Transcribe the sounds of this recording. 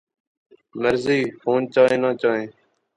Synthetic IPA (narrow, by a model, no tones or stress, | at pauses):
məɾziːfʰoːnt͡ʃaːẽːnãːt͡ʃaːɦẽː